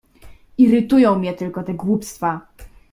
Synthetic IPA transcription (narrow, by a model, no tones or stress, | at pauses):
iɾɘt̪ujɔ̃w̃mʲɲɛt̪ɘlkɔt̪ɛɡwupst̪fa